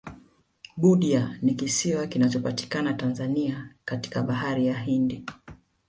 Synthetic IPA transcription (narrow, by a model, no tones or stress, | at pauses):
ɓuɗianikisiwakinat͡ʃɔpati̥kanatanzaniakati̥kaɓaɦaɾijaɦindi